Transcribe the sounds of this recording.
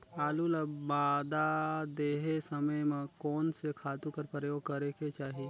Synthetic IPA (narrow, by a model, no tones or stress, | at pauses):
p̪aːlulabaːd̪ad̪eːɦesəməjmẽkɔːnsekʰaːt̪ukəɾpɾjoːɡ̚kəɾeket͡ʃaːɦi